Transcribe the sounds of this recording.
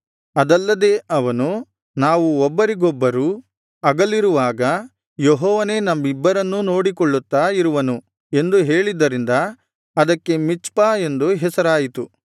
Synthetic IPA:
ɐd̪ɐlːɐd̪e̞ːʔɐʋɐnu | naːʋuɔbːɐɾiɡɔbːɐɾu | ɐɡɐlːiɾuʋaːɡɐ | jeɦɔːʋɐne̞ːnɐmːibːɐɾɐnːuno̞ːɽikɔɭːut̪ːaːiɾuʋɐnu | e̞nd̪uɦe̞ːɭid̪ːɐɾind̪ɐ | ɐd̪ɐkːe̞mit͡ʃpaːe̞nd̪uɦɛsɐɾaːjit̪u

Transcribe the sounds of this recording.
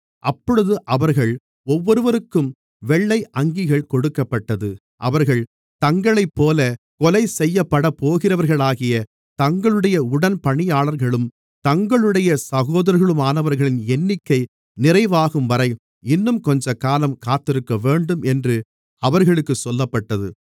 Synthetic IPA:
ʔɐpːɔɻɯðɯʔɐʋɐɾɣɐɭ | ɔʋːɔɾɯʋɐɾɯkːɯm | ʋɛɭːɐɪʔɐŋɡɪɣɐɭkɔɽɯkːɐpːɐʈːɐðɯ | ʔɐʋɐɾɣɐɭ | t̪ɐŋɡɐɭɐɪpːoːlɐ | kɔlɐɪsɛjːɐpːɐɽɐpːoːɣɪrɐʋɐɾɣɐɭaːɣɪjɐ | t̪ɐŋɡɐɭɯɽɐjɐʊɽɐnpɐɳɪjaːɭɐɾɣɐɭɯm | t̪ɐŋɡɐɭɯɽɐjɐsɐɣoːðɐɾɣɐɭɯmaːnɐʋɐɾɣɐɭɪnɛnːɪkːɐɪ | nɪrɐɪʋaːɣɯmʋɐɾɐɪ | ɪnːɯmkɔɲd͡ʒɐkaːlɐmkaːt̪ːɪɾɯkːɐʋeːɳɖɯmɛndrɯ | ɐʋɐɾɣɐɭɯkːɯsɔlːɐpːɐʈːɐðɯ̰

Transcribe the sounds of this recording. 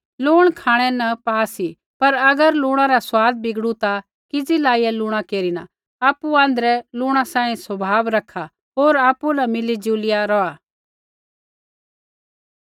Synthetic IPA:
lʊːɽ̃kʰaːɽ̃ɛnɐpaːsi | pɐɾɐɡəɾlʊːɽ̃ãɾaswaːd̪̚bʱɪɡɽut̪a | kɪd͡zilaːijɛlʊːɽ̃akeːɾina̰ | aːpːuãːnd̪ɾɛlʊːɽ̃asãːĩsɐbʱaːbɾɐkʰa | ɦoːɾaːpulɐmɪlid͡ʒuːlɪjaɾɔaː

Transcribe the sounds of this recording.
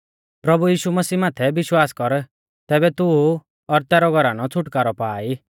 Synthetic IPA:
pɾɐbujiːʃumɐsiːmaːt̪ʰɛbɪʃwaːskɔɾ | t̪ɛːbɛt̪uu | ɔɾt̪ɛːɾɔɡʱɔɾaːnɔt͡sʰʊʈkaːɾɔpaːi

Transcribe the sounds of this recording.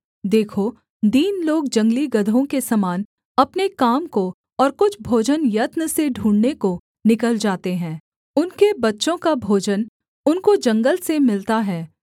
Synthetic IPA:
d̪eːkʰo | d̪iːnloːɡ̚d͡ʒɐ̃ŋɡliɡɐd̪ʱõkesɐmaːn | ɐpnekaːmko | ɔːɾkʊt͡ʃʰbʱoːd͡ʒənjɐt̪nəseɖʱũːɳɖneko | nɪkəld͡ʒaːt̪eɦɛ̃ː | ʊnkebɐtːʃõkabʱoːd͡ʒən | ʊnkod͡ʒɐ̃ŋɡəlsemɪlt̪aɦɛː

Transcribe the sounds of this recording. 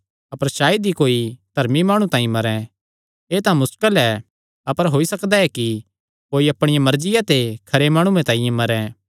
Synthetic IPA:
ɐpəɾʃaːid̪ikoːid̪̥ʱɐɾmimaːɽ̃ũt̪ãːĩmɐɾɛ̃ | eːt̪ãmʊskəlɛ | ɐpəɾɦoːisɐkd̪aɛki | koːiɐpɽ̃ɪjãmɐɾd͡ʒɪjat̪ekʰɐɾemaːɽ̃ũẽt̪ãːĩjẽmɐɾɛ̃

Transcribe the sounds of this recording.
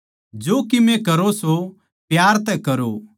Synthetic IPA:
d͡ʒoːkimɛ̃kɐɾoso | pjaːɾt̪ɛkɐɾo

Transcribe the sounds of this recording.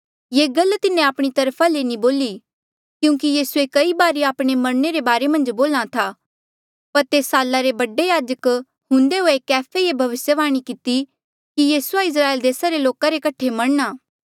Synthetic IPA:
jeːɡɐlt̪ɪnːẽaːpɽ̃it̪ɐɾpʰalenĩboːli | kjũːk̬ijiːsuekɐibaːɾeaːpɽ̃emɐɽ̃neɾebaːɾemɐ̃nd͡ʒboːlat̪ʰaː | pɐɾt̪eːsaːlːaɾebɐɖejaːd͡ʒək | ɦʊ̃nd̪eɦoekɛːpʰeebʱɐʋɪsjəʋaːɽ̃ikɪt̪i | kijiːsuaɪs̬ɾaːeːld̪eːsaɾeloːkaɾekɐʈʰemɐɽ̃naː

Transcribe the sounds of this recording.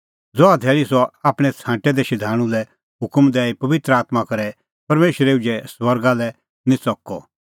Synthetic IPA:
d͡zɔad̪ʱɛːɭisɔaːpɽ̃ɛt͡sʰãːʈɛd̪ɛʃɪd̪ʱaːɽ̃ũlɛ | ɦʊkmd̪ɛːipɐʋɪt̪ɾəaːt̪makɐɾɛ | pɐɾmeːʃɾeud͡ʒɛswɐɾɡalɛ | nĩt͡sɔkːɔ

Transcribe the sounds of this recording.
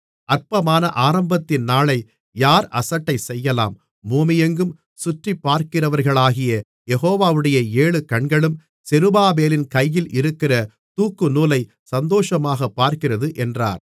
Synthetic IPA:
ɐɾpɐmaːnɐʔaːɾɐmbɐt̪ːɪnnaːɭɐɪ | jaːɾɐsɐʈːɐɪsɛjːɐlaːmː | uːmɪjɐŋɡɯm | sʊʈripːaːɾkɪrɐʋɐɾɣɐɭaːɣɪjɐ | jɛɣoːʋaːʋɯɽɐjɐeːɭɯkɐɳɡɐɭɯm | sɛɾɯbaːbeːlɪnkɐjːɪlʔɪɾɯkːɪrɐ | t̪uːkːɯnuːlɐɪ | sɐnd̪oːʂɐmaːɣɐpːaːɾkɪrɐðɯʔɛndra̰ːɾ

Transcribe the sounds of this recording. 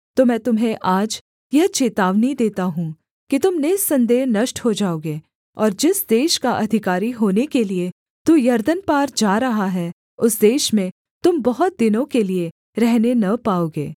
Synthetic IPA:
t̪oːmɛ̃ːt̪ʊmɦẽʔaːd͡ʒ | jɐɦt͡ʃeːt̪aːʋnid̪eːt̪aɦũː | kit̪ʊmneːsːɐ̃nd̪eːɦnɐʃʈɦod͡ʒaːoːɡeː | ɔːɾd͡ʒɪsd̪eːʃkaʔɐd̪ʱɪkaːɾiɦoːnekelie | t̪uːjɐɾd̪ənpaːɾd͡ʒaːɾɐɦaɦɛ | ʊsd̪eːʃmẽ | t̪ʊmbɐɦʊt̪̚d̪ɪnõkelie | ɾɛɦnenɐpaːoːɡḛː

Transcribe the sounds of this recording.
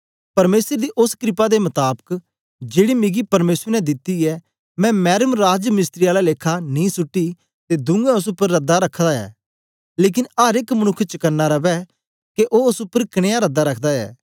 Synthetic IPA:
pɐɾmeːsəɾd̪iʔʊskɾɪpad̪emɐt̪aːbək | d͡ʒeːɽimɪɡipɐɾmeːsəɾnɛd̪ɪt̪ːiɛ | mɛ̃mɛːɾəmɾaːd͡ʒjəmɪst̪ɾiaːlaleːkʰanĩsʊʈːi | t̪ed̪ʊ̃ŋɡɛʊs̬ʊpːəɾːɐd̪ːaɾɐkʰːd̪aɛ̰ː | leːk̬ɪnaːɾekmɐñʊkʰːt͡ʃəkɐnːaɾɐbɛ | keʔoʊsʊpːəɾkɐɽ̃ejaɾɐd̪ːaɾɐkʰd̪aɛ̰ː

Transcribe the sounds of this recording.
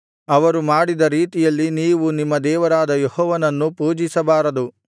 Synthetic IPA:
ɐʋɐɾumaːɽid̪ɐɾiːt̪ijɐlːiniːʋunimːɐd̪ɛːʋɐɾaːd̪ɐjehɔːʋɐnɐnːupuːd͡ʒisɐbaːɾɐd̪u

